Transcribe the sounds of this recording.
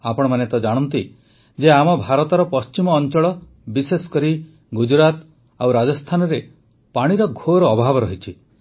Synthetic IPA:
apɔɽ̃ɔmanet̪ɔd͡ʒaɽ̃ɔnt̪i | d͡ʒeamɔbʱaɾɔt̪ɔɾɔpɔst͡ʃimɔːnt͡ʃɔɭɔ | bisesɔ̥kɔɾi | ɡud͡ʒɾat̪ | awɾad͡ʒɔst̪ʰanɔɾe | paɽ̃iɾɔɡʱoɾɔːbʱabɔɾɔɦit͡ʃʰi

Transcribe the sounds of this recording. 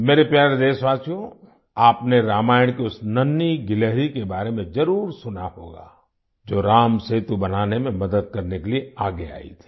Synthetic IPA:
meːɾepjaːɾed̪eːsʋaːsjõ | aːpneɾaːmaːjəɽ̃kiʊsnɐnːiɡɪleɦɾikebaːɾemẽd͡ʒɐɾuːɾsʊnaho̰ːɡa̰ː | d͡ʒoːɾaːmseːt̪ubɐnaːnemẽmɐd̪əd̪̚kɐɾnekelieaːɡea̰ːḭt̪ʰi̥ː

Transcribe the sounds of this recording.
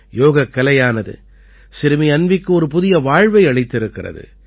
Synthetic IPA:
joːɣɐkːɐlɐjaːnɐðɯ̰ | sɪɾɯmɪɐnʋɪkːɯɔɾɯpʊðɪjɐʋaːɻʋɐɪɐɭɪt̪ːɪɾɯkːɪrɐ̰ðɯ̰

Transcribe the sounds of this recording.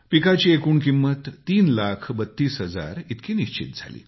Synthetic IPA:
pikat͡ɕiːekuːɳkimːət̪ːiːnlakʰbət̪ːiːsɦəd͡za̰ɾit̪kʰiːniɕt͡ɕḭt̪̚d͡zʱa̰lḭː

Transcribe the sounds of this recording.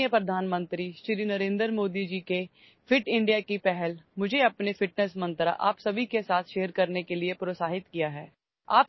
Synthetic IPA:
jəpɾɐd̪ʱaːnmə̃nt̪ɾiʃɾinɐɾẽːnd̪ɾmoːd̪id͡ʒiːke | fʰɪʈɪ̃ɳɖijakipɛɦɛlmʊd͡ʒʱeɐpnefɪʈnɛsmɐ̃nt̪ɾa̰ʔa̰ːpsɐbʱikesaːt̪ʰʃeːəɾkɐɾnekeliepɾoːsaːɦɪt̪kijaɦɛː | a̰ːp

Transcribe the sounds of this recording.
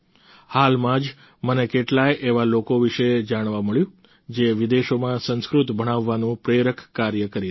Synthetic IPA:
halmãd͡ʒ | mənekeʈlaeʔeʋalokoʋiʃed͡ʒaɽ̃ʋaməɭjũ | d͡ʒeʋid̪eʃomãsə̃nskɾut̪bʱəɽ̃aʋːanũpɾeɾəkʰkaɾjəkəɾi

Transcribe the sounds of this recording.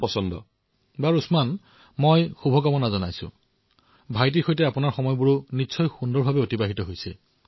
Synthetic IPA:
pɔsɔndɔ̰ | baɹusman | mojxubʱɔkamɔnazɔnajsʊ̰̃ | bʱajt̬iɹxojtɛapunaɹxɔmɔjbuɹunitːsʰɔjxundɔɹbʱabɛotibaɦitɔɦojsɛ

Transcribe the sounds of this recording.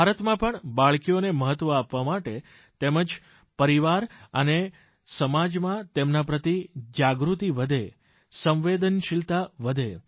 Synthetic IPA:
bʱaɾət̪mãpəɳbaɭkijoneməɦət̪ːʋəapʋamaʈe | t̪eməd͡ʒ | pəɾiʋaɾəne | səmad͡ʒmãt̪emnapɾət̪id͡ʒaɡɾut̪iʋəd̪ʱe | sə̃mʋed̪ənʃilt̪aʋəd̪ʱe

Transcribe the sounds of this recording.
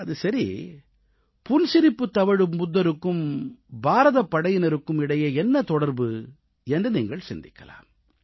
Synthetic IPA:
ɐðɯsɐɾḭ | pʊnsɪɾɪpːɯt̪ːɐʋɐɻɯmʊðːɐɾɯkːɯmbaːɾɐðɐpːɐɽɐjɪnɐɾɯkːɯmɪɽɐjɐɛnːɐt̪ɔɽɐɾbɯ | ɛndrɯniːŋɡɐɭsɛnd̪ɪkːɐla̰ːm

